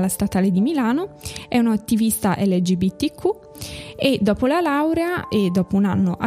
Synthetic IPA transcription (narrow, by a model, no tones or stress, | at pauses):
last̪at̪aːled̪imilaːnoɛunoat̪ːivist̪aʔɛlːed͡ʒibit̪ːikʰːu | ed̪ːɔːpolalawɾeaed̪ːɔːpounanːoʔa